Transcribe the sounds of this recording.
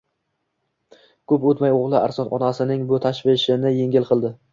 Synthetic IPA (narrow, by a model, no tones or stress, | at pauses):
kʰɵpot̪majoʁlˠɪa̰ɾsɒnɒ̰nasɪnɪŋbʊt̪ʰaʃvɪʃɪnɪjeŋɡʲɪlˠqʰɨlˠd̪ɪ